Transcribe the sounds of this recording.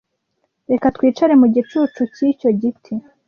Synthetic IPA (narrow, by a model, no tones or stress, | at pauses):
ɾe̞kat̪wiːt͡ʃaɾe̞muɟit͡ʃuːt͡ʃucico̞ɟitʰi